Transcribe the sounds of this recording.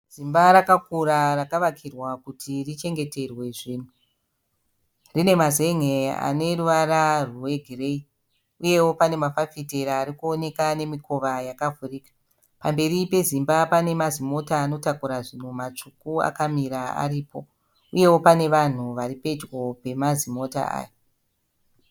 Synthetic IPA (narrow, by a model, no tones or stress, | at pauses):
z̥imbaɾakakuɾarakaʋakʰirwakutʰirit͡ʃe̞ŋɡe̞te̞rwe̞ʐiːn̤u | rine̞maze̞ŋea̰ne̞ruʋaɾaruwe̞ɡʱire̞i | uje̞wo̞pane̞mafafite̞ɾaːɾikuone̞kane̞miko̞ʋajakavuriːkḁ | pambe̞ɾipe̞zimbapane̞mazimo̞taːno̞takuɾaʐin̤umat͡ʂukua̰kamiɾaa̰ɾiːpo̞ | uje̞wo̞pane̞ʋan̤uʋaɾipe̞d͡ʒwo̞pe̞mazimo̞ta̰a̰ːjo